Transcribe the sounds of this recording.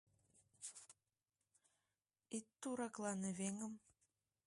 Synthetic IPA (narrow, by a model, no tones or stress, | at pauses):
it̪ːuɾɑklˠɑneβeŋə̆m